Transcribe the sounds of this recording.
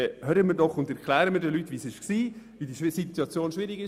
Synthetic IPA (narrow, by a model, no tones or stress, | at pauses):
ɛhøːɾəmɪɾdɔχʊndɛɾklæːɾəmɪɾdɛlytːʋisɪʃksiː | ʋidiʃɪsit̪ːuɑt͡sjoːnʃʋɪɾiɡɪ